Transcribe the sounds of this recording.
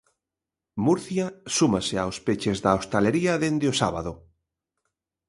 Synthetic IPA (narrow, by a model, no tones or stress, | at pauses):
muɾθjasumasɪawspet͡ʃezðaost̪aleɾiɐðend̪ɪosaβaðʊ